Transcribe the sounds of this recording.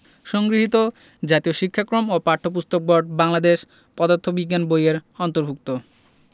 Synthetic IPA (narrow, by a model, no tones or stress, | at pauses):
ʃɔŋɡɾiɦit̪o | d͡ʑat̪ioʃikʰːakɾomopaɾʈʰːopust̪ʰok̚boɾɖ̚baŋlad̪eʃ | pɔd̪ot̪ʰːobiɡːanbojeɾɔnt̪oɾbʱuk̚t̪o